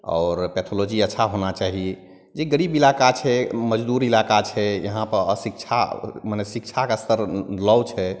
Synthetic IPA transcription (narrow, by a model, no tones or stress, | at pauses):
ɔ̰ːɾpɛt̪ʰolod͡ʒiətːʃʰaɦonat͡ʃaɦi | d͡ʒeɡəɾibilakat͡ʃʰɛməd͡ʒd̪uɾilakat͡ʃʰɛjə̰ɦãpəɾəsikt͡ʃʰa̰manɛsikt͡ʃʰakest̪ʰəɾlɔwt͡ʃʰɛ